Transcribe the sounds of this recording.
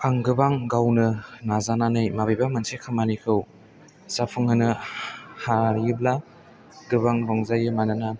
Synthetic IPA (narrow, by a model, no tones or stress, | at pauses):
aŋɡɯbaŋɡawnɯnazananɯjmabibamɯnsʰekʰɯmanikʰɯw | zapʰɯŋɯnɯhaɾiɯbla | ɡɯβaŋlɔŋzajɯmanana